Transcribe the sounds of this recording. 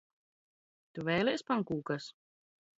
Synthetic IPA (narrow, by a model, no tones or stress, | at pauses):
t̪uvɛːlispaŋkuːkas